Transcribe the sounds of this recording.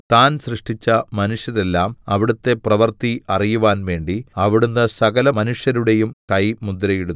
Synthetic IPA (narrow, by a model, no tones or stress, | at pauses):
t̪aːnsrɨʂʈit͡ɕːɐmɐnuʂjɐðe̞lːaːmɐʋiɽɐt̪ːe̞prɐʋɐrt̪iʔɐrijuʋaːnʋe̞ːɳɖiɐʋiɽunːɨsɐɡɐlɐmɐnuʂjɐɾuɽe̞jumkɐjmud̪ɾɐjiɽunː